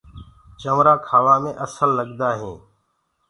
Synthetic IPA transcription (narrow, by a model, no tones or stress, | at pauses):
t͡ʃəmɾaːkʰaːʋaːmẽːʔəsəlːəɠd̪aːɦẽː